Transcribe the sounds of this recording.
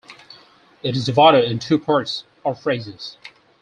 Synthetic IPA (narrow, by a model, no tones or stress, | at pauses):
ɨɾɨzɨvɑɾəɨ̃ntʰʉpʰɑɹts | ə˞fɹeɪzɪz̥